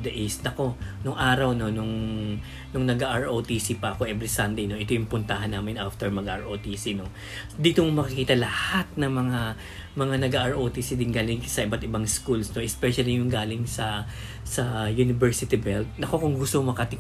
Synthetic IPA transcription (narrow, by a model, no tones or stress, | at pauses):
d̪ɐʔɪsnɐko̞nʊŋʔaːɾɐwno̞nʊŋ | nʊŋnɐɡaʔaɹʔot̪isipɐʔɐko̞ʔɛbɾɪsɐnd̪ejno̞ʔɪt̪o̞jʊŋpʊnt̪ahɐnːaːmɪnʔaft̪ɛɹmɐɡʔa̰ɹʔot̪isino̞ | d̪iːt̪ommɐkɪkiːt̪ɐlɐhat̪̚nɐŋmɐŋa | mɐŋanɐɡaʔaɹʔot̪isid̪ɪnɡaːlɪŋsɐʔɪbat̪ɪbaŋskulsno̞ʔɛspɛʃɐlijʊŋɡaːlɪŋsɐ | sɐjunɪbɛɹsɪt̪ɪbɛlt̪̚nɐko̞kʊŋɡʊst̪omɐkɐt̪ɪ